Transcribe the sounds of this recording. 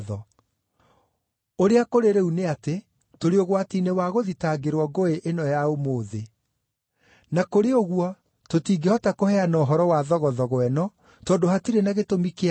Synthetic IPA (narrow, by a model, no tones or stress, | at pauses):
ðɔ | oɾeakoɾeɾeuneate | toɾeoɣwatiːnewaɣoðitaːɡeɾwɔɡoeʔenɔjaomoːðe | nakoɾeoɣwɔ | totiːɡehɔtakohɛanɔɦɔɾɔwaðɔɣɔðɔɣwɛnɔ | tɔːdoɦatiɾenaɣetomike